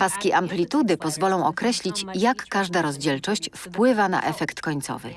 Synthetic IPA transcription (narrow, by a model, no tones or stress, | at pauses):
paskʲiʔamplʲit̪ud̪ɘpɔzvɔlɔ̃w̃ʔɔkɾɛɕlʲit͡ɕjakːaʐd̪aɾɔzd͡ʑɛlt͡ʂɔɕt͡ɕfpwɘvana̰ʔɛfɛkt̪kɔɲt̪sɔ̰vɘ̰